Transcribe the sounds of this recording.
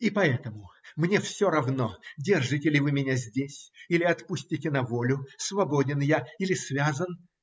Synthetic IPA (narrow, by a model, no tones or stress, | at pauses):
ipɐɛt̪əmʊmnʲefsʲoɾɐvnodʲe̞rʐɨtʲɪlʲɪvɨmʲɪnʲazʲdʲesʲilʲɪɐt̪pusʲtʲɪtʲɪnɐvolʲʊsvɐbo̞dʲɪnjailʲɪsvʲazən